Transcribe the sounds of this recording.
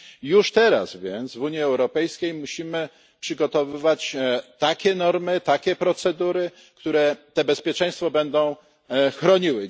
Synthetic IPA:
juʂt̪ɛɾa̰zvʲjɛnt̪zvuɲjiɛwɾɔpɛjskʲejmuɕimɘ | pʂɘɡɔt̪ɔvɘvat͡ɕt̪akʲɛnɔɾmɘt̪akʲɛpɾɔt̪sɛd̪uɾɘ | kt̪uɾɛt̪ɛbɛspʲjɛt͡ʂɛ̃j̃st̪fɔbɛnd̪ɔ̃w̃ | xɾɔɲiwɘ

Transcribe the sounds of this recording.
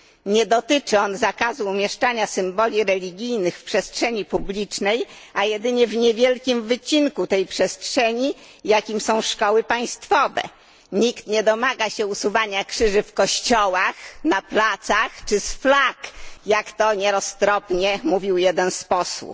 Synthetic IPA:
ɲɛd̪ɔt̪ɘt͡ʂɘɔnzakazuːmʲjɛʂt͡ʂaɲasɘmbɔlʲiɾɛlʲiɡʲijnɘxfpʂɛstʂɛɲipublʲit͡ʂnɛjʔajɛd̪ɘɲɛvɲɛvʲjɛlkʲimvɘt͡ɕinkut̪ɛjpʂɛstʂɛɲi | jakʲimsɔ̃w̃ʂkɔwɘpaj̃st̪fɔvɛ̰ | ɲikt̪ɲɛd̪ɔmaɡaɕɛusuvaɲakʂɘʐɘfkɔɕt͡ɕɔwaxnaplat̪saxt͡ʂɘsflakjakt̪ɔɲɛɾɔst̪ɾɔpɲɛmuvʲiwjɛd̪ɛnspɔswṵp

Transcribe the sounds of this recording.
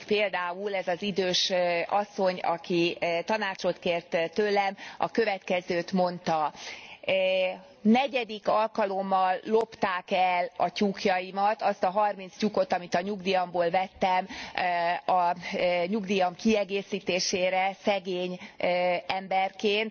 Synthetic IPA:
peːld̪aːulɛzɒzid̪øːʃɒsːo̞ɲɒ̰kit̪ɒnaːt͡ʃo̞t̪keːrt̪t̪øːlɛmɒ̰kø̞vɛt̪kɛzøːt̪mo̞nt̪ɒ | nɛɟɛd̪ikɒlkɒlo̞mːɒlːo̞pt̪aːkɛlɒcukjɒjimɒt̪ɒst̪ɒɦɒrmint̪scuko̞t̪ɒmit̪ɒɲuɡd̪ijɒmboːlvɛt̪ːɛm | ɒɲuɡd̪ijɒmkiɛɡeːsiːt̪eːʃeːɾɛsɛɡeːɲ | ɛmbɛrkeːnt̪

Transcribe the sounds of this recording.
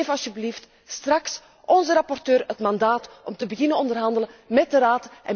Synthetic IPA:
vəɑlˠsəbəlift | strɑks | ʔɔnzəɾɑpɔrtøːrətmɑndaːtʔɔmtəbəɣɪnənɔndərɦɑndələnmɛt̚dəɾaːtʔɛ

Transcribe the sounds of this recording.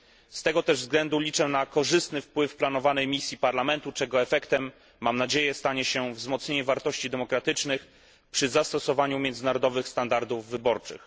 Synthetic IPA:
st̪ɛɡɔt̪ɛʐvzɡlɛnd̪ulʲit͡ʂɛnakɔʐɘst̪nɘfpwɘfplan̪ɔvanɛjmʲisʲjipaɾlamɛnt̪ut͡ʂɛɡɔɛfɛkt̪ɛmː | amnad͡ʑejɛst̪aɲɛɕɛvzmɔt̪sɲeɲɛvaɾt̪ɔɕt͡ɕid̪ɛmɔkɾat̪ɘt͡ʂnɘx | pʂɘzast̪ɔsɔvaɲumʲjɛnd̪ɘnaɾɔd̪ɔvɘxst̪and̪aɾd̪uvːɘbɔɾt͡ʂɘ̰x

